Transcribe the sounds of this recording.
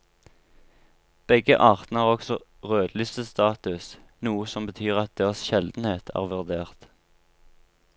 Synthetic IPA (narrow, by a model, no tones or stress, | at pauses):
b̥ɛɡə̰ʔɑːʁt̪nəæːʁɔksɔ | ʁøːd̪lʏst̪əst̪ɑːt̪ʉs | nuːəsɔmbət̪ʰyːʁɑt̪̚d̪eːʁɑsʃɛld̪n̩heːt̪ʰæ̰ːʁʋʉʁd̪eːʁt̪